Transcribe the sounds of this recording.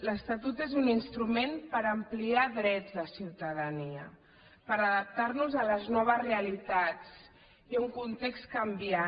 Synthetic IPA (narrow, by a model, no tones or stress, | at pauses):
ləst̪at̪ut̪ezuninst̪ɾumenpəɾəmpliaðɾɛd͡zðəsiwt̪əðəniə | pəɾəðəp̚t̪aɾnuzələznɔβ̞əzreəlit̪at͡s | iuŋkunt̪ekst̪kəmbia